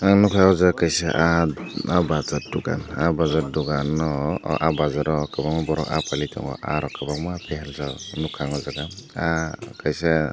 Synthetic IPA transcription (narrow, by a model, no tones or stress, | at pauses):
nukʰaɔzaakajsɛʔaabazat̚duɡa̰nabazaɾ̚duɡanɔʔabazaɾɔkabakmɔbɔɾɔka̰palitʰɔ̰ŋɡɔ̰ʔa̰ɾɔkabaŋmɔapʰɛhɛlzanukʰaŋɔzaɡaakajsɛ